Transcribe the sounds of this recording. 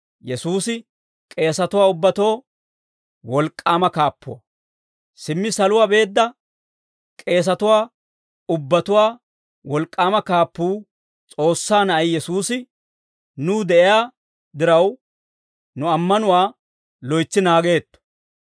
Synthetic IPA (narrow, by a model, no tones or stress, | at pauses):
jɛsuːsɪ | kʼe̞ːsɐt̪ʊwaːʊbːɐt̪o̞ː | wɔlkʼːaːmɐkaːpːʊ̰wɐ̰ | sɪmːɪsɐlʊwaːbe̞ːd̪ːɐ | kʼe̞ːs̬ɐt̪ʊwaː | ʊbːɐt̪ʊwaː | wɔlkʼːaːmɐkaːpːuː | t͡sʼo̞ːsːaːnɐɐjjɛsuːsɪ | nuːd̪ɛʔɪjaː | d̪ɪɾɐw | nʊɐmːɐnʊwaː | lɔjt͡sːɪnaːɡe̞ːt̪ːɔ̥